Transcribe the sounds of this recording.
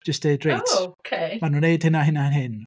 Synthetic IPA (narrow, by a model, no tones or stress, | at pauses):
d͡ʒ̥əstneɨdrejtʰkʰemanuneɨd̥hɪnaɦɪnaɪnɦɪn